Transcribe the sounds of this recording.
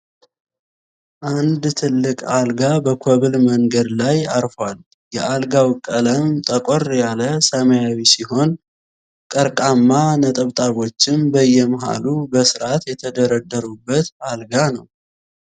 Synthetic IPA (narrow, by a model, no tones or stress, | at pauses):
ʔand̪t̪ʰɨlːɨkʼalɡabəkʰoβɨlməŋɡəd̪lajaɾfal | jɛʔalɡawkʼələmt̪ʼəkʼorjaləsəməjawisiho̞n | kʼəɾkʼamːanət̪ʼəβt̪ʼaβo̞t͡ʃːɪmbəjːɛmɦa̰lubəsɨɾat̪jɛt̪ʰəd̪əɾəd̪ːəɾubːət̪alɡanəw